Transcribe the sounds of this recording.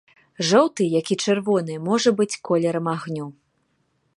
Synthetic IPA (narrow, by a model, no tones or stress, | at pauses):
ʐɔwt̪ɨjakʲit͡ʂɛrvɔnɨmɔʐɐbɨt͡sʲkɔlʲɛɾɐmaɣnʲu